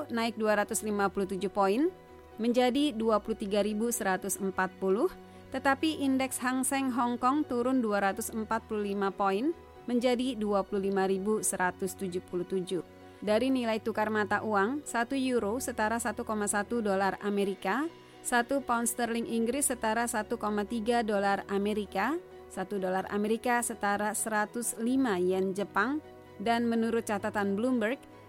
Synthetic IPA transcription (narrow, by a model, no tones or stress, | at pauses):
naɪk̚duaɾat̪ʊslimapuluht̪ud͡ʒʊhpoɪn | məɲd͡ʒadiduapuluht̪iɡaɾibusəɾat̪ʊsəmpat̪̚pulʊh | t̪ət̪apiʔindɛksɦaŋsɛŋɦɔŋkɔŋt̪uɾʊnduaɾat̪ʊsəmpat̪̚pululimapoɪn | məɲd͡ʒadiduapuluhlimaɾibusəɾat̪ʊst̪ud͡ʒuhpuluht̪ud͡ʒʊ | daɾinilait̪ukarmat̪aʔuaŋsat̪ujuɾosət̪aɾasat̪ukomasat̪udolarameɾika | sat̪upɔnst̪ərlɪŋʔiŋɡɾɪsːət̪aɾasat̪ukomat̪iɡadolarameɾika | sat̪udolara̰meɾikasət̪aɾasəɾat̪uslimajand͡ʒəpaŋ | danmənuɾʊt̪̚t͡ʃat̪at̪anblumbərɡ̚